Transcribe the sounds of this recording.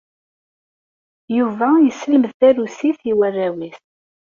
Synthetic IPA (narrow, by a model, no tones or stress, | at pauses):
juvæjəsələməðθæɾusiθiwærːæwis